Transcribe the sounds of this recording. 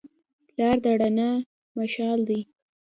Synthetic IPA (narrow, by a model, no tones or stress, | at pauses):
lɑɾd̪aɽana | maʃɑld̪i